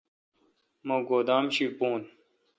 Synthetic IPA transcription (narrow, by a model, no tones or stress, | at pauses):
moɡoːd̪aːmɕipoːn